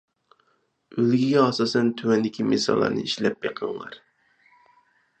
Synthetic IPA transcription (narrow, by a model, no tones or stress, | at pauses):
ølɡʲiɡʲɛɑsɑsɛnt̪ʰøwɛnd̪ɪkʲʰimesɑ̰lˠːɑ̰ɾnɨ̰iʃlɛp̚jeqʰəŋlɑ̰ɾ